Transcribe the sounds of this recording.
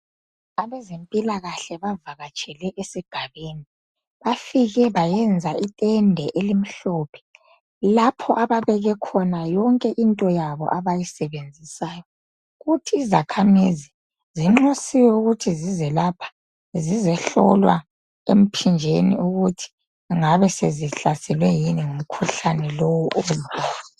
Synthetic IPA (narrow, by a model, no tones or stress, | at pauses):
aβɛzempʼilaɣaɬɛβavaɣat͡ʃʼɛlɛʔesiɡ̥ʱaβeːni | βafiɣɛβajɛnd͡zʱaitʼɛndʱɛʔelim̩ɬɔpʰɛ̥ | lapʰɔʔaβaβɛɣɛkʰɔnajɔŋkʼɛʔintʼɔjaβɔ̰ʔaβajisɛβend͡zʱisaːjɔ | ɣutʰiːzakʰamizi | ziŋ͡ǃusiwɛuɣutʰizizɛlapʰḁ | zizɛɬɔ̰lwa | em̩pʰind͡ʒʱenḭuɣutʰi̥ | ŋaβɛseziɬasɛlwɛjiniŋum̩kʰuɬanɛlɔwuʔoluwa